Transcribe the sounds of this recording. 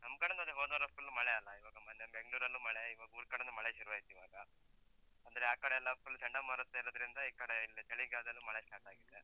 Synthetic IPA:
nɐmkɐɽɐnd̪ɐd̪eɦoːnɐːɾɐspɐlːumɐɭɛɐlːɐiʋaːɡɐmɐnd̪ebeŋɡɭuːɾɐlːuːmɐɭeiʋaːɡɐuːɾkɐɽɐnd̪umɐɭeʃɐɾuʋaːisiʋaːɡɐ | ɐnd̪ɐɾeaːkɐɽeɐlːɐɐlːut͡ʃɐɳɖɐmaːɾɐt̪ːeɛlːɐd̪ɐɾind̪ɐiːkɐɽeilːit͡ʃ̪ɐɭiɡaːd̪ɐlːumɐɭesʈaːʈaːɡid̪ːe

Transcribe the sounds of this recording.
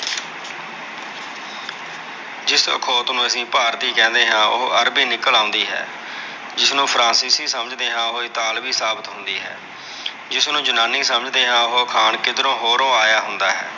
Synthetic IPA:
d͡ʒɪsə̰kʰoːt̪nũːəsĩːpaːɾt̪iːkɛ̃ːnd̪eːɦãːʔʊ̰ɦoʔəɾbiːnɪkəlãːʊ̃nd̪iːɦɛ̰ː | d͡ʒɪsnũːpʰɾãːsiːsiːsəməd͡ʒd̪eːɦãːʊɦoːɪt̪aːlbiːsaːbət̪ɦʊnd̪iːɦɛ̰ː | d͡ʒɪsnũːd͡ʒʊnaːniːsəməd͡ʒd̪eːɦãːʊɦoːkʰaːɳkɪd̪ɾõːɦoːɾõːaːjaːɦʊnd̪aːɦɛ̰ː

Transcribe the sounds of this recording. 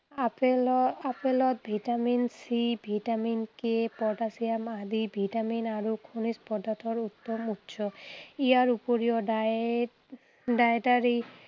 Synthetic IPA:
apelapelɔt̪̚bʱiʈaminsibʱiʈaminkepɔʈasijamad̪ibʱiʈaminaɾukʰunispɔd̪atʰɔɾut̪ːɔmutːʃʰɔijaɾupoɾiɔɖa | ɖaʈaɾi

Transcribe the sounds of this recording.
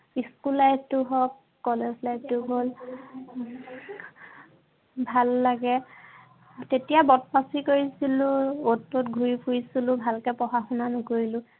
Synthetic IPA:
iskulːajbtʊɦɔkː | ɔlezlajb̚tʊɦol | bʱalːaɡɛ | tetijabɔt̚pasikoɹisilʊ̃otːʊtɡʱuɹipʰuɹisilʊ̃bʱalkɛpɔxaxunanʊkoɹilʊ

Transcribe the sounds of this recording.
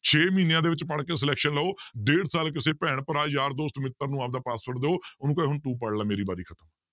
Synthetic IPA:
t͡ʃʰeːmiːnejãːd̪eːʋɪt͡ʃpəɽkeːs̬əlɛːkʃənləoːd̪eːɽsaːlk̬ɪseːpɛːɳ̃pəɾaːjaːɾd̪oːst̪mɪt̪ːəɾnũːaːp̚d̪aːpaːsːəɽd̪eːoːʊnũːkɛːɦʊɳt̪ũːp̬əɽlaːmeːɾiːbaːɾiːkʰət̪əm

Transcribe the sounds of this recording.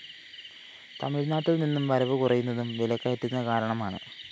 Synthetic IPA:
t̪ɐmiɻnaːʈːilninːumʋɐɾɐʋɨkurɐjːunːɐðumʋilɐkːɐjɐt̪ːunːɐkaːɾɐɳɐmaːɳɨ̰

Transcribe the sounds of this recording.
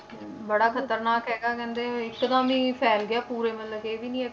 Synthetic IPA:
bəɽaːkʰət̪əɾnaːkɦɛːɡaːkɛ̃ːnd̪eːɪkːd̪ãːʋĩːpʰɛːlɡɪaːpuːɾeːmə̃nləɡeːʋiːnĩːɛː

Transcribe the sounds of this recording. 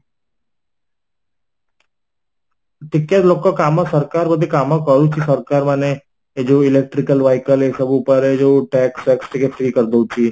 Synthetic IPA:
ʈɪkːet̪loːkːakaːmãsəɾkaːɾbəd̪ʱikaːmãkəɾut͡ʃʰisəɾkaːɾmane | ed͡ʒoɪlek̚ʈɾɪkəlʋaːɪkəlesəbupəɾed͡ʒoʈɛːksɛksʈikefʰɾikəɾd̪ot͡ʃʰiː

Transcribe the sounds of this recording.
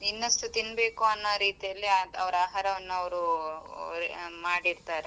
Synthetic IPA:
inːɐst̪ut̪inːbe̞ːkuɐnːaːɾiːt̪ijɐlːiɐʋɐɾaːɦaːɾɐʋɐnːuɐʋɾu | maːɽiɾt̪aːɾe

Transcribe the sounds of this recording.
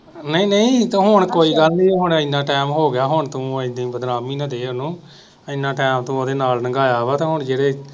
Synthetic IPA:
nəĩːnəĩːt̪ːɦʊɳ̃koːiːɡəlniːɦʊɳəɪnːãːʈɛːmɦoːɡɪjaːɦʊɳt̪ũːɪd̪ĩːbəd̪ɾaːmiːnə̃ːd̪eːnũː | əɪnːãːʈɛːmt̪ũːoːd̪eːnaːlnəɡaːjaːʋaːt̪ẽːɦʊɳd͡ʒeːɽeː

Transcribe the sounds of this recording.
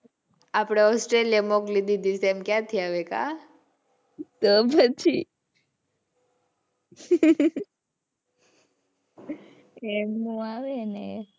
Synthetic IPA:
apɽ̃eɔsʈɾelijamɔklid̪id̪iseɛmkjãt̪ʰiaʋeka̰ | t̪ɔpət͡ʃʰi | emũaʋene

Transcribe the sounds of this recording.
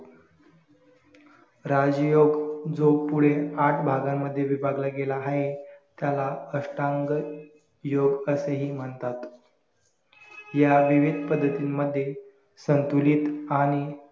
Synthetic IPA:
ɾad͡zjoɡd͡zopuɽ̤eaʈʰbʱaɡamːəd̪ʱːjeʋibʱaɡlaɡelaɦaɦet̪jalaəʂʈãŋɡ | joɡəseɦiːm̤əɳt̪at̪ | jaʋiʋid̪ʱpəd̪ʱːət̪iːnmːəd̪ʱːje | sənt̪uliːt̪aɽ̃i

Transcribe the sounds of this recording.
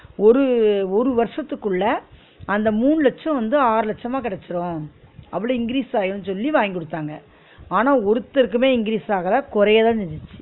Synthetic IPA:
ɔɾɯɔɾɯʋɐɾʂɐt̪ːɯkːɯɭːɐ | ɐnd̪ɐmuːɳɯlɛt͡ʃːɐ̃ʋɐnd̪ɯaːɾɯlɐt͡ʃːɐmaːkɪɽɛt͡ʃːɪɾʊ̃ːɐpːɐɽɯ̃ɪŋɡɪɾiːsaːjɐnnsɔlːiʋaːjŋɡɔɽɯt̪ːaːŋɡɐ | aːnaːɔɾɯt̪ːɪɾɯkːɯmeːɪŋɡɪɾiːsaːɣɐlãːkɔɾɐjɐðãːnɪɲd͡ʒɪt͡ʃːɯ̥

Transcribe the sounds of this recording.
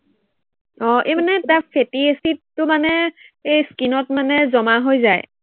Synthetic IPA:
ɔ̃ʔejmanɛtafʰetiesitːʊmanɛ | ejskinɔtmanɛzɔmaɦojzaj

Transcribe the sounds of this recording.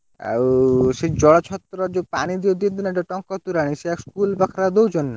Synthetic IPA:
a̰ʃed͡ʑɔɽat͡ʃʰɔt̪ːɾɔd͡ʑopanid̪iod̪iod̪inɛʈɔʈɔŋkɔt̪uɾaniʃeɛkskulbakʰɾad̪owd͡ʑonːa

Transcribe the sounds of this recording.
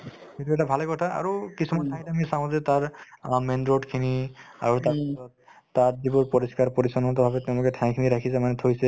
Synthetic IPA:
etuɛtabʱalɛkɔtʰaa̰ɹukisumasʰajtamisãzɛtaɹmɛndɹɔtkʰinia̰ɹutaɹpisɔtː | atzibʊɹpɔɹiskaɹpɔɹisɔnɔntɔbʱabɛtɛʊ̃lʊkɛtʰãkʰiniɹakʰisɛmanɛtʰojsɛ

